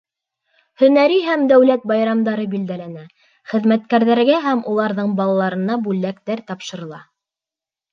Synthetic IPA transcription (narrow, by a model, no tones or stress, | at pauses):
hɵ̆næɾiɦæmd̪æwlæt̪̚bɑjɾɑmd̪ɑɾɤbild̪ælænæ | χɘ̆ðmæt̪̚kæɾðæɾɡæɦæmulˠɑɾðɤɴbɑlˠɑlˠɑɾɤ̆nɑbʉlːækt̪æɾt̪ɑpʃɤ̆ɾɤ̆lˠɑ